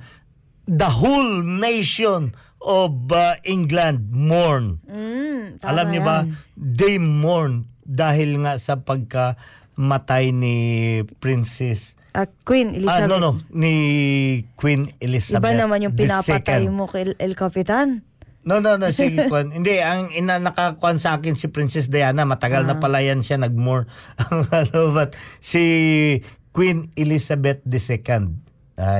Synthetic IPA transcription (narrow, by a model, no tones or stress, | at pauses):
d̪ɐɦolnejʃon | ʔobaʔɪŋɡland̪̚moɹn̩ | tɐlammɲobad̪ejmmːoɹnd̪aːɦɪlŋaʔsɐpɐɡ̚kɐ | mɐt̪ajnɪpɹɪnsɛs | ʔkwinɪlanononɪ | kwinɪlisɐbanɐmanjʊŋɪnasɛtkanjmokɛlʔɛlkapɪt̪an | nononosiɡɪkʊʔanhɪnd̪ɛɐŋɪnanɐkakʊʔansɐʔaːkɪnsɪpɾinsɛs̬d̪ɐjaːnɐmɐt̪ɐɡalnɐpɐlajanʃanɐɡ̚moɹʔɐŋalobɐt̪̚si | kwinɪlisɐbɛt̪̚d̪ɛsɛkɐnd̪̚ | a